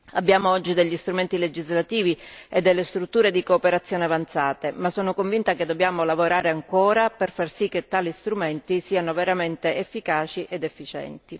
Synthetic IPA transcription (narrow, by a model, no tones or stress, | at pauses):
abːjaːmoɔd͡ʒːid̪eʎːist̪ɾument̪iled͡ʒizlat̪iːvied̪ːelːest̪ɾut̪ːuːɾed̪ikoːpeɾat̪sːjoːneavant̪saːt̪emasːoːnokoɱvint̪aked̪ːobjaːmolavoɾaːɾeaŋkoːɾaperfarsikːet̪ːaːlist̪ɾument̪isiːanoveɾament̪eefːikaːt͡ʃiʔed̪efːit͡ʃɛ̰nt̪i